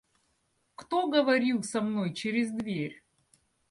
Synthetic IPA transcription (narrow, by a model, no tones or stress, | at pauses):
kt̪oɡəvɐɾʲilˠsɐmnojt͡ɕɪɾʲɪzd̪vʲerʲ